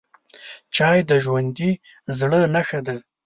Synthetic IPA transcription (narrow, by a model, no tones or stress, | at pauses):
t͡ʃɑjd̪əʒwand̪i | zɽənaxad̪a